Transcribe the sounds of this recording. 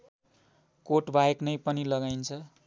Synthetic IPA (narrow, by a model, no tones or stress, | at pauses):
koʈbʱajeknʌjpʌnilʌɡajnt͡sʰʌ